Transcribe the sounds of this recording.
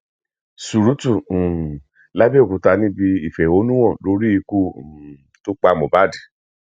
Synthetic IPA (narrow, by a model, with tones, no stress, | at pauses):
su˨ɾu˨˦tũ˦˨ | la˦be˦o˨ku˨ta˧nĩ˦bi˧i˨fɛ˨o˧˦nũ˦w̃ɔ̃˦˨lo˧˦ɾi˦i˧ku˦˨ | to˦k͡pa˧˨mõ˨ba˦˨di˨